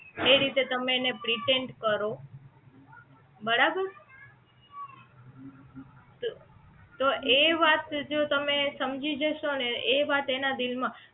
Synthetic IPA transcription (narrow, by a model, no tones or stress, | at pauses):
eɾit̪et̪əmẽːnepɾiʈeɳʈkəɾo | bəɾabəɾ | t̪oʔeʋat̪d͡ʒot̪əmesəmd͡ʒid͡ʒəʃoneeʋat̪enad̪ilmã